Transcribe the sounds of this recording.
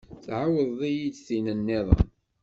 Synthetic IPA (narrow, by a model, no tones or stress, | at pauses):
θʕawəðˤijidθinənːɪðˤə̰n